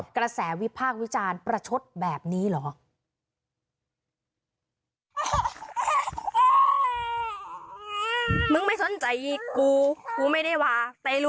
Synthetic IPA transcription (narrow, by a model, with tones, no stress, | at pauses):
kɾa˧sɛː˩˦wi˦˥pʰaː˥˩k̚wi˦˥t͡ɕaː˧npɾa˧t͡ɕʰo˦˥t̪̚bɛː˨˩p̚niː˦˥lɔː˩˦ | mɯ˧˨ŋma˥˩jso˨˩˦nt͡ɕa˧jʔiː˨˩kuː˧kuː˧ma˥˩jda˥˩jwaː˧t̪ɛː˨˧˦lu˦